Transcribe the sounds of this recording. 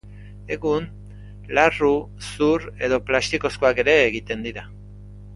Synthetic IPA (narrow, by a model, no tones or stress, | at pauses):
e̞ɣun | laru | suɾe̞ðo̞plast̪iko̞skoake̞ɾe̞ːɣit̪e̞nd̪iɾa